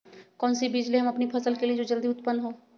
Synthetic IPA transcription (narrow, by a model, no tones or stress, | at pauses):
kɔ̃ːnsibiːd͡ʒleɦɐmɐpnipʰɐsəlkelied͡ʒoːd͡ʒɐld̪iʊt̪pənːɦoː